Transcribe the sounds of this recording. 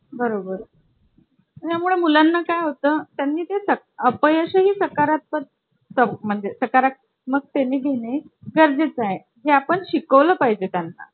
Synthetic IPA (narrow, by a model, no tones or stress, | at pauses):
bəɾobəɾ | t̪jamuɭemulanːakajɦot̪əːt̪janːiːt̪esə | əpəjəɕəɦiːsəkaɾat̪̚pət̪̚ | səm̤əɳd͡zesəkaɾak̪̚ | məɡ̚t̪eneɡʱeɽeɡəɾd͡zet͡saɦe | ɦeapəɳɕikəʋləːpaɦid͡ʑet̪janːa̰